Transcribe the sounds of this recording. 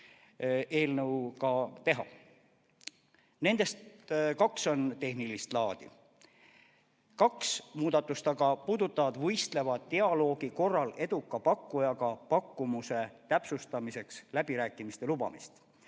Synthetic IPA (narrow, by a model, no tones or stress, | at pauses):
e̞ːlnəwkɑt̪e̞ɦɑ̰ | ne̞nd̪̥e̞st̪kɑkso̞nt̪e̞ɦnilist̪lɑːd̪̥ḭ | kɑksmuːd̪̥ɑt̪ːˑust̪ɑɡ̥ɑpuːd̪̥ut̪ːˑɑvɑd̪vɤjst̪le̞vɑd̪t̪ːeɑlo̞ːɡiko̞rːɑle̞d̪̥ukːˑɑpɑkːujɑɡɑpɑkːumuse̞t̪æpsust̪ɑmise̞kslæb̥iɾæːkːˑimist̪e̞lub̥ɑ̰mist̪